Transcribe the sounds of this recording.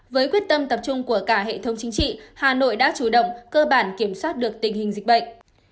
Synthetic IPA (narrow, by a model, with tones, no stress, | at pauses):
vəː˨˦jkwi˦˥ət̚t̪ə˧mt̪ə˨˩p̚t͡ɕʊ˧ŋ͡mku˧˩əkaː˧˩ɦḛ˧˨t̪ʰə˨˦wŋ͡mt͡ɕï˨˦ŋt͡ɕḭ˧˨haː˨˩no̰˧˨jɗa̰ː˧˥t͡ɕu˧˩ɗə̰˧˨wŋ͡mkəː˧ɓaː˧˩nki˧˩əmswaː˦˥t̚ɗɨ˨˩ək̚t̪ï˨˩ŋ̟hï˨˩ŋ̟zi̟˨˩ɓə̰˧˨ŋ̟